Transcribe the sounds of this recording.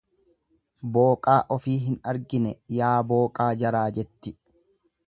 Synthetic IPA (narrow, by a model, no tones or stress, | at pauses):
boːkʼaːʔɔfiːɦɪnɐɾɡɪnɛjaːbo̞ːkʼaːd͡ʒɐɾaːd͡ʒɛt̪ːɪ